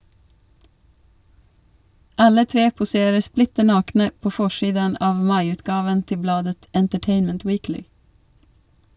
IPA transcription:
ˈɑlə ˈtɾeː pʊˈseːɾə ˈsplɪtə ˈnɑːknə ˈpoː ˈfɔʃiːdən ˈɑːʋ ˈmɑɪˌʉːtɡɑːʋən ˈtɪ ˈblɑːdət ɛntəˈʈeɪnmənt ˈwiːklɪ

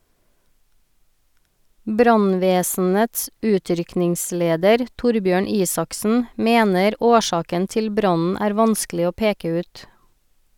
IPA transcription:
ˈbɾɑnˌʋeːsn̩əts ˈʉːˌtɾʏknɪŋˌsleːdəɾ ˈtʊɾˌbjøːɳ ˈiːsɑksn̩ ˈmeːnəɾ ˈoːˌʃɑːkən ˈtɪl ˈbɾɑnn̩ ˈæːɾ ˈʋɑnsklɪ ˈoː ˈpeːkə ˈʉːt

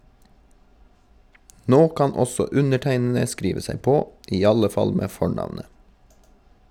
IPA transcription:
ˈnoː ˈkɑn ˈɔsɔ ˈʉnəˌʈæɪnn̩ə ˈskɾiːʋə ˈsæɪ ˈpoː ˈʔiː ˈɑlə ˈfɑl ˈmeː ˈfɔɳɑʋnə

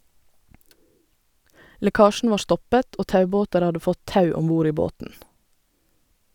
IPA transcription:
lɛˈkɑːʃɳ̩ ˈʋɑː ˈstɔpət ˈoː ˈtɑʉˌboːtəɾ ˈɑdə ˈfɔt ˈtɑʉ ˈɔmˌbuːɾ ˈiː ˈboːtn̩

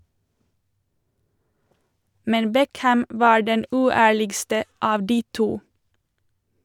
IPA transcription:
ˈmɛn ˈbɛkhæm ˈʋɑː ˈɖɛn ˈʉːˌæːɭɪɡstə ˈɑːʋ ˈdiː ˈtuː

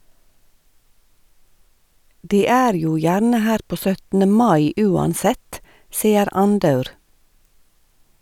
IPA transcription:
ˈdiː ˈæːɾ ˈjuː ˈjæɾnə ˈhæːɾ ˈpoː ˈsœtn̩ə ˈmɑɪ ˈʉːɑnˌsɛt ˈsiːəɾ ˈɑnˌdɑʉɾ

